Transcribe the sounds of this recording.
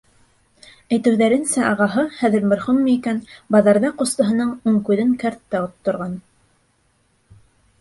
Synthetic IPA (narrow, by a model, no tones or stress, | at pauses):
æjt̪ɘ̆wðæɾɘ̆nsæʔɑʁɑɦɤχæðɘ̆ɾmæ̆ɾχunmɤikænbɑðɑɾðɑqŏst̪ɤ̆ɦɤ̆nɤɴuɴkʉðɘŋkæɾt̪ːæot̪ːŏɾʁɑn